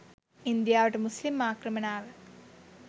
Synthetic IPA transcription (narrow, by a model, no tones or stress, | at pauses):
ind̪jaːʋɐʈːɐmuslimːaːkrɐmɐnaːʋɨ